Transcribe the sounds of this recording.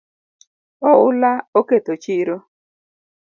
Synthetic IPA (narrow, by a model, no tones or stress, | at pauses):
ɔʊlaoketot͡ʃiɾo